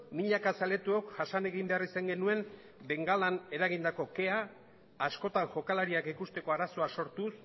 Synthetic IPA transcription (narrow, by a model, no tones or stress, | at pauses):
miʎakasale̞t̪uokʝasane̞ɣimbe̞arisaŋɡe̞nue̞m | be̞ŋɡalane̞ɾaɣind̪ako̞ke̞aː | sko̞t̪aŋʝo̞kalaɾiakikust̪e̞ko̞aɾaso̞aso̞ɾt̪us